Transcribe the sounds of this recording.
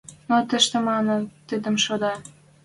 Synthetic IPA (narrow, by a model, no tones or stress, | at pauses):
not̪ə̆ʃt̪ə̆mɑnə̆t̪əd̪ə̆mʃod̪ɑ